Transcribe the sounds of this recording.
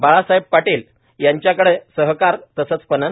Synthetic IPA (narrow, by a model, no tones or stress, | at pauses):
baɭasaib̚paʈil | jaɲt͡ɕjakəɽesəɦkaɾt̪əsət͡spənə